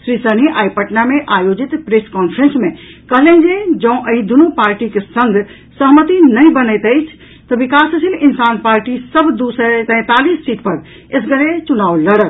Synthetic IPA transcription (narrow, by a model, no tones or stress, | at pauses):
sɾisəniʔajpəʈnameʔajod͡ʒit̪pɾeskɔnpʰɾensmẽkəɦlẽnd͡ʒed͡ʒəũʔəid̪unopaɾʈikesəŋɡʱ | səɦmət̪inəjbənəɪt̪əɪt͡ʃʰ | t̪ɔbikasəsʰilinsanpaɾʈisəbd̪usət̪ɛ̃t̪alisːiʈpəɾ | esɡəɾet͡ʃunawləɽək